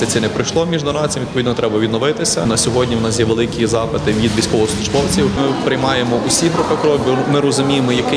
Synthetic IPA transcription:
sɛsʲɛnɛpɾɪjʃlˠɔmʲiʒdnɔɾɑt͡sʲimʋʲid̪pɔʋʲid̪nɔt̪ɾɛbɐʋʲid̪nɔʋɪt̪ɪsʲɐnɐsʲɔɦɔdʲnʲiʋʊnɑsjɛʋelˠɪkʲizɑpɪt̪ɪʋʲid̪ʋʲisʲkɔʋɔɔsˠʊʒbɔwt͡sʲiwmɪpɾɪjmɑjemɔʔʊsʲiɦɾʊpɪkɔɾɔbʲimɪɾɔzʊmʲijemɔjɐkɪ

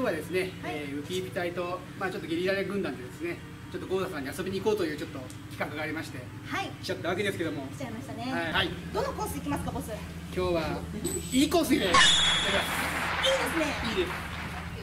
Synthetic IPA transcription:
oːβad̪esɨne̞eːɯ̟pʲiːpʲi̥t̪ait̪o̞ | maːt͡ɕo̞t̪ːɡʲiɾʲiɾaɾeɡɯ̟̃nd̪ãnd̪e̞d̪e̞sɨne̞ | t͡ɕo̞t̪ːo̞ɡo̞ːd̪asãɲ̟iaso̞bʲiɲ̟iko̞ːt̪ojɯ̟ːt͡ɕo̞t̪ːo̞ | kʲi̥kakɯ̟ɡaːɾʲimaɕi̥t̪e̞ | haikʲi̥t͡ɕat̪ːaβ̞aked̪e̞sɨ̥ke̞d̪o̞mo̞i̥t͡ɕaimaɕi̥t̪aneahaid̪onokõːsɨikʲimasɨ̥kabosɨ | kʲo̞ːβa | iːkoːsɨineeaiːd̪esɨneiːd̪e̞sɨ̥

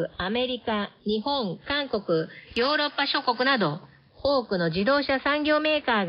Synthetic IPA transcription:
ame̞ɾʲikaɲ̟iɦõ̞ŋkãŋko̞kɯ̟jo̞ːɾo̞pːaɕo̞ko̞kɯ̟nad̪o̞ | hoːkɯ̟no̞d͡ʑid̪o̞ːɕasãŋɡʲo̞ːme̞ːkaːɡ

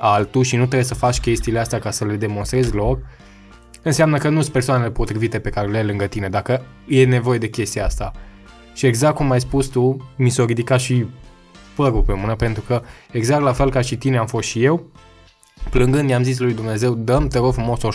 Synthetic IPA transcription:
alt̪uʃinut̪̬ɾes̬əfat͡ʃʲkʲe̞st̪ileast̪eakasəle̞d̪e̞monst̪ɾe̞zʲlo̞k̚ | ɨnseamnəkənuspe̞rsoanele̞po̞t̪ɾivit̪e̞pe̞kaɾeleajlɨŋɡət̪ine̞d̪akə | je̞ne̞vo̞je̞d̪e̞kʲe̞st̪iaast̪a | ʃie̞ɡzak̚t̪̚kumajspust̪umisoɾid̪ikat̪ʃi | pəɾupemunəpe̞nt̪ɾukəe̞ɡzak̚t̪lafe̞lkaʃit̪ineamfo̞st̪ʃije̞w | plɨŋɡɨnd̪jamzis̬lujd̪umne̞ze̞wd̪əmt̪eɾofɾumo̞so

